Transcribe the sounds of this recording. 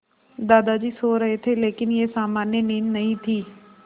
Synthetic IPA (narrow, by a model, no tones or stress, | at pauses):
d̪aːd̪aːd͡ʒiːsoːɾəɦet̪ʰeːleːkɪnjeːsaːmaːnjəniːnːəɦĩt̪ʰiː